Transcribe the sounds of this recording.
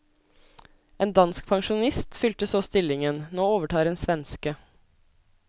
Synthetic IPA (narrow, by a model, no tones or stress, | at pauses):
ʔeːnd̪ɑnsk̚pʰɑŋʃʊnɪst̪fʏlt̪əsoːst̪ɪlɪŋənnoːoːʋəʈʰɑːɾeːnsʋɛnskə